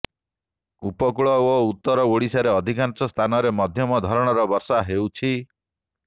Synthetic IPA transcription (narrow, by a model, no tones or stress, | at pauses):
upɔkuɭɔout̪ːɔɾɔoɽisaɾeɔd̪ʱikansɔst̪ʰanɔɾemɔd̪ʱjɔmɔd̪ʱɔɾɔɽ̃ɔɾɔbɔɾsaɦewt͡ʃʰi